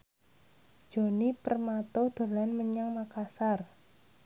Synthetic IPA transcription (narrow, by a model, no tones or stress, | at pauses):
d̥d͡ʒ̥o̤nipərmat̪ɔd̪̥o̤lanməɲaŋmakasar